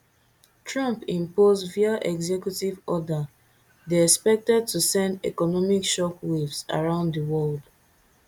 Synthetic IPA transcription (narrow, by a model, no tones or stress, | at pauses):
tʰɹãmpĩmpozviaʔɛɡzɛkjutivɔda | deɛkspɛk̚tɛd̚tusɛ̃ndɛ̰kɔnɔmikʃɔpwevsa̰ɹãʊ̃nddəwɔld